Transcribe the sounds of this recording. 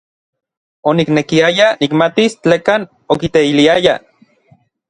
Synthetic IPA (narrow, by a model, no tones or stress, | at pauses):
oniknekiajanikmat̪ist͡ɬeːkaːn | okit̪eiliaja